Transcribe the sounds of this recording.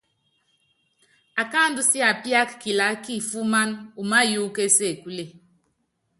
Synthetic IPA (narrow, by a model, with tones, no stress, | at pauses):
a˨ka˦ndu˦si˦a˨pi˦a˦kki˨la˨˦ki˦˨fu˦ma˦nu˨ma˦ju˦ke˦se˦˨ku˦le˦˨